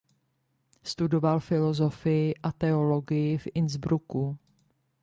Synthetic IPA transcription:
st̪udo̞valfɪlo̞zo̞fɪjɪʔat̪ɛo̞lo̞ɡɪjɪfʔɪnzbɾuku

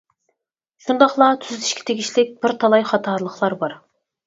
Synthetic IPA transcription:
ʃund̪ɑχlˠɑt̪ʰyzt̪ʰiʃkʲʰɪ̥t̪ʰeɡʲiʃlɪk̚ʲb̥ɪɾt̪ʰɑlˠɑjχɑt̪ʰɑɾlˠəχlˠɑɾbɑɾ

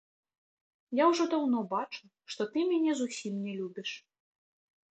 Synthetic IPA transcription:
jawʐɔd̪awnɔbat͡ʂu | ʂt̪ɔt̪ɨmʲanʲɛzusʲimnʲɛlʲubʲiʂ

